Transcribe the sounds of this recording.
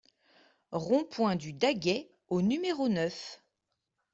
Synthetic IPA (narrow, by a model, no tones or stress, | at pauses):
ʁɔ̃pwɛ̃d̪yd̪aɡʲɛ | onymeʁonœf